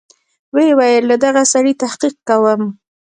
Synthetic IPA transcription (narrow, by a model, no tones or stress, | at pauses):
wewajəlːad̪aɣasaɽit̪ahqiq̚kawəm